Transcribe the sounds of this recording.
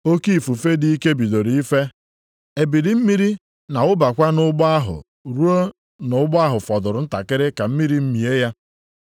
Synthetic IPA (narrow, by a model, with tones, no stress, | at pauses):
o˦ki˦i˨fu˨fe˦di˦i˦ke˦bi˨do˨ɾi˨i˦fe˦ | e˨bi˨di˨m̩˦mi˦ɾi˦ | na˨ʊ˦ba˨kʷa˦nʊ˦ɡ͡ba˦ɦʊ̰˨ | ɾu˦o˦ | nʊ˨˦ɡ͡ba˦ɦʊ˨fɔ˨dʊ˨ɾʊ˨n̩˦ta˨kɪ˦ɾɪ˦ka˨m̩˦mi˦ɾi˦m̩˦mi˨e˦ja˦